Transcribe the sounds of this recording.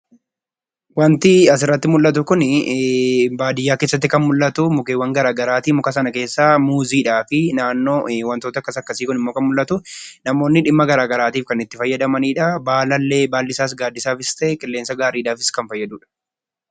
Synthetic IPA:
wɐnt̪ɪɐsɪrːɐt̪ːɪmʊlːɐt̪̬ʊkʊn | baːd̪ɪjːaːkeːsːɐt̪ːɪkɐnmʊlːɐt̪ʊmʊkeːwːɐŋɡɐɾaːɡɐɾaːt̪iːmʊkɐsɐnɐke̞ːsːaːmuːziːᶑaːfɪnaːnːo̞ːwɐnt̪oːt̪ɐkːɐsɐkːɐsiːkʊnɪmːoːkɐnmʊlːɐt̪ʊnɐmo̞ːnːɪᶑɪmːɐɡɐɾaːɡɐɾaːt̪iːfkɐnɪt̪ːɪfɐjːɐd̪ɐmɐniːᶑɐbaːlɐlːe̞ːbaːlːɪsaːs̬ɡaːd̪ɪsaːfɪst̪ɐʔɛkʼɪlːeːnsɐɡaːɾiːᶑaːfɪ̥skɐnfɐjːɐd̪uːᶑɐ̥

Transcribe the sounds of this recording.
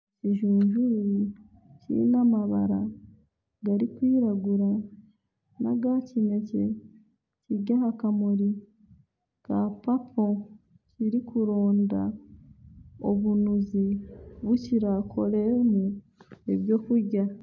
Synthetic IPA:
ciʒuːɲʒuji | cḭnamaβa̰ɾa | ɡaɾikwiːɾaɡuɾa | na̰ɡacine̞ce | ciɟaɦakamoɾi | kapapʰo̞ | ciɾikʰuɾo̞ːnda̰ | o̰βunuziβuciɾakʰo̞ɾemu | eβjo̞ːkuɾɟa

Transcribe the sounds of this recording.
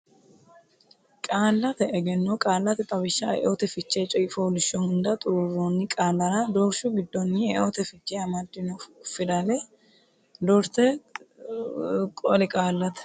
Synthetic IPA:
kʼaːlːɐt̪ɛɛɡɛnːokʼaːlːɐt̪ɛt̪ʼɐbɪʃːɐɛ̰ʔot̪ɛfɪt͡ʃːeːt͡ʃʼɔjɪfoːlɪʃːɔhʊnd̪ɐt̪ʼʊɾʊrːonːɪkʼaːlːɐɾɐd̪ɔɾʃʊɡɪd̪ːɔnːɪɛʔot̪ɛfɪt͡ʃːeɐmɐd̪ːɪnɔfɪd̪ɐlɛ | d̪ɔɾt̪ɛ | kʼɔlɪkʼaːlːɐt̪ɛ̥

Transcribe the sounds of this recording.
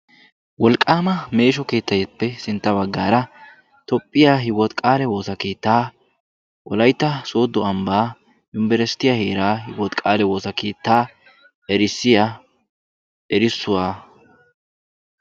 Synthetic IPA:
wɔlkʼːaːmɐme̞ːʃɔke̞ːt̪ːɐjɛpːɛsɪnt̪ːɐbɐɡːaːɾɐ | t̪ɔpʼːɪjaːɦɪwɔt̪kʼaːlɛwo̞ːsɐkeːt̪ːaː | wɔlɐjt̪ːɐsoːd̪ːɔɐmbaː | jʊmbɛɾɛst̪ːɪjahe̞ːɾaːhɪwɔt̪kʼaːlɛwo̞ːsɐkeːt̪ːaː | ɛɾɪsːɪja | ʔɛɾɪsːʊwaː

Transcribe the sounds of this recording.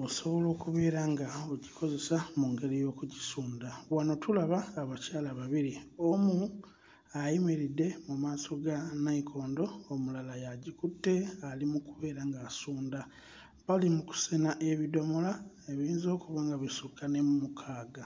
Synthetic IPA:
oso̞βo̞lo̞ːkuβe̞ːɾaŋɡaoɟikʰo̞ze̞samuŋɡe̞ɾijo̞ːkuɟisuːndaβwano̞tulaβaːβacaːlaβaβiɾio̞mu | ajemeɾidːe̞mumaːso̞ɡanaikʰo̞ːndo̞ːmulalajaɟikutːe̞alimukuβe̞ːɾaŋɡasuːnda | βalimuku̥senaʔe̞βido̞mola | eβiːnzo̞ːkuβaːŋɡaβisukane̞mumukʰaːɡa

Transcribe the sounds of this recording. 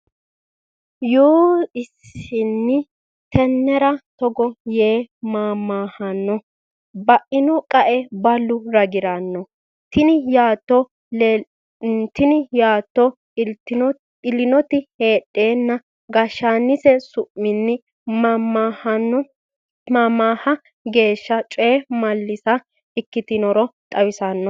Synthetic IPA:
joːɪsɪnːɪ | t̪ɛnːɛɾɐt̪ɔɡɔje̞ːmaːmːaːhɐnːɔ | bɐʔɪnɔkʼɐʔɛbɐlːʊɾɐɡɪɾɐnːɔ | t̪ɪnɪjaːt̪ːɔ | nt̪ːɪnɪjaːt̪ːɔ | t̪ | ɪlːɪnɔt̪ɪhe̞ːɗʼːe̞ːnːɐ | ɡɐʃaːnːɪsɛsʊʔmɪnːɪ | mahɐnːɔ | maːmːaːhɐ | ɡe̞ːʃːɐt͡ʃʼeːmɐlːɪsɐ | ɪkːɪt̪ɪnɔɾɔt̪ʼɐwɪsanːɔ

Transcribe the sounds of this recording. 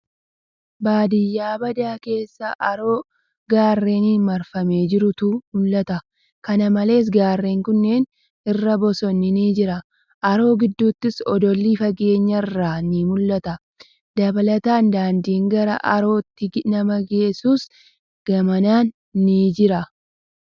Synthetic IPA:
baːd̪ɪjːaːbɐd̪aːke̞ːsːɐʔɐɾo̞ː | ɡaːrːe̞ːnɪmɐɾfɐme̞ːd͡ʒɪɾʊt̪ʊmʊlːɐt̪ɐ | kɐnɐmɐle̞ːs̬ɡaːrːe̞ːŋkʊnːe̞ːn | ɪrːɐbɔsɔnːɪniːd͡ʒɪɾɐ | ʔɐɾo̞ːɡɪd̪ːuːt̪ːɪsɔd̪ɔlːiːfɐɡe̞ːɲːɐrːaːniːmʊlːɐt̪ɐ | d̪ɐbɐlɐt̪aːnd̪aːnd̪iːŋɡɐɾɐʔɐɾo̞ːt̪ːɪnɐmɐɡe̞ːsuːs | ɡ̥ɐmɐnaːnː | iːd͡ʒɪɾɐ

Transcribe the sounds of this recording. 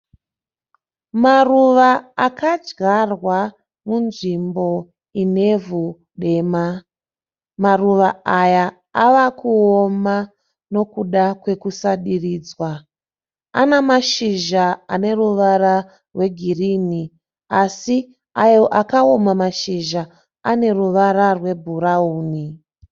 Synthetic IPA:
maruʋaakad͡ʒɡarwa | munʐimbo̞ | ine̞vu | ɗe̞ma | maruʋaaja | aʋakuoma | no̞kuɗakwe̞kusaɗiriːd͡zwa | a̰namaʃiʒaane̞ruʋara | rwe̞ɡʱiriːni | asi | ajo̞ʔakaomamaʃiʒa | ane̞ruʋaɾarwe̞bʱuɾauːni

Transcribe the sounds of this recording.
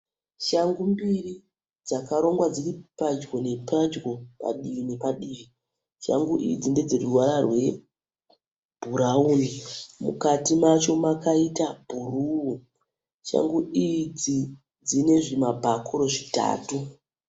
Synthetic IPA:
ʃaŋɡumbiri | d͡zakaɾo̞ŋɡwad͡ziɾipad͡ʒɡo̞ne̞pad͡ʒɡo̞pa̰ɗiʋine̞paɗiːʋi | ʃa̰ŋɡuʔḭid͡zinde̞d͡zeruwaɾarwe̞ | b̥ʱuɾauːnimṵkatimat͡ʃo̞makaitabʱuruu | ʃa̰ŋɡuid͡zi | d͡zine̞ʐimabʱakʰuɾo̞ʐita̰ːtu

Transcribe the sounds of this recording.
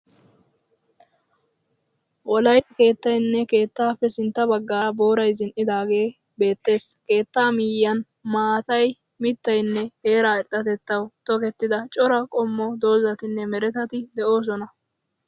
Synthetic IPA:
wɔlɐjɐke̞ːt̪ːɐjnːɛke̞ːt̪ːaːfɛsɪnt̪ːɐbɐɡːaːbo̞ːɾɐjzɪnʔɪd̪aːɡe̞ː | be̞ːt̪ːe̞ːske̞ːt̪ːaːmɪjːɐn | maːt̪ɐj | mɪt̪ːɐjnːɛhe̞ːɾaːɛɗːɐt̪ɛt̪ːɐwt̪ɔkɛt̪ːɪd̪ɐt͡ʃʼɔɾɐkʼɔmːɔd̪o̞ːzɐt̪ɪnːɛmɛɾɛt̪ɐt̪ɪd̪ɛʔo̞ːs̬ɔnɐ

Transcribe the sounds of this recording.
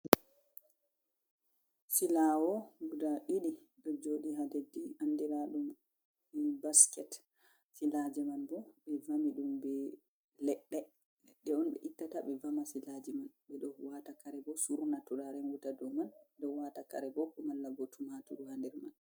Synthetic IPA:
silawɔɡudaʔiɗi | ɗɔd͡ʒoɗiɦadedːiandɛɾaɗum | ɛbaskɛt | silad͡ʒɛmanbɔɓɛvamiɗumbɛ | lɛɗːɛ | ɗɛɔnɓɛ̰ʔitːataɓɛvamasilad͡ʒɛmanɓɛɗɔwatakaɾɛbɔsuɾunatuɗaɾɛnwutadɔmanɛɗɔwataka̰ɾɛbɔkɔmanlːaɡɔtʰumatuɗɔhandɛɾman

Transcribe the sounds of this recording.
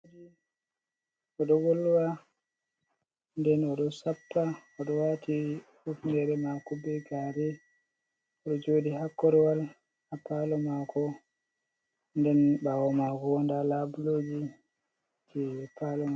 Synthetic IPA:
di | ɔɗɔɡolːuwa | ndɛnɔɗɔsapːaɔɗɔwati | ufndɛɾɛmakɔbɛɡaɾɛ | ɔɗɔd͡ʒoːdihakːɔɾɔwal | apalɔmakɔ | ndɛnɓawɔmakɔwɔndalabuloːd͡ʒi | d͡ʒɛpalɔma

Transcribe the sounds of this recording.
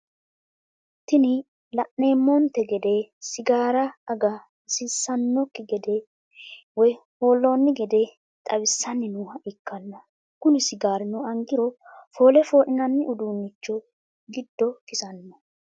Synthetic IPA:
t̪ɪnɪ | lɐʔneːmːɔnt̪ɛɡɛd̪ɛsɪɡaːɾɐːɡɐ | sɪsːɐnːɔkːɪɡɛd̪ɛ | wɔjho̞ːlːoːnːɪɡɛd̪ɛ | t̪ʼɐβɪsːɐnːɪnuːhɐʔɪkːɐnːɐ | kʊnɪsɪɡaːɾɪnʊɐŋɡɪɾɔfo̞ːlɛfo̞ːʔɪnɐnːɪʊd̪uːnːɪt͡ʃːɔ | ɡɪd̪̥ːɔkɪsɐnːɐ

